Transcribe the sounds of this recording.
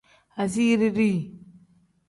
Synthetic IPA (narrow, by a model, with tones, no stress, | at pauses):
a˨s̬i˦ɾi˦ɾi˦˨